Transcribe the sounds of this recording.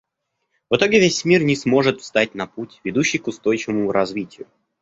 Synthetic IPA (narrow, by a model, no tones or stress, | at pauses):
vɨt̪o̞ɡʲɪvʲesʲmʲirnʲɪsmo̞ʐɨt̪fst̪at̚ʲnɐputʲvʲɪd̪uɕːɪjkʊst̪o̞jt͡ɕɪvəmʊɾɐzvʲitʲɪjʊ